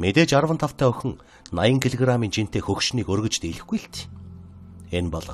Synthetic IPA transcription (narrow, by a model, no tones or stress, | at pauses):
met̪eːt͡ɕaɾwə̆nt̪ʰawt̪ʰæːɵxʲɵ̆ŋ | najə̆ŋkʰeɮʲiɣramiːnt͡ɕin̥t̪eːxɵkʃniːkɵrɣɵ̆t͡ɕt̪eɮɘ̆xɡujɬt̪ | enpɔɮɞ̆